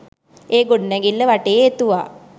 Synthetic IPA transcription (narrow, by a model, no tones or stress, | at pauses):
eːɡoɖnɛɡilːəʋaʈejet̪uʋa̰ː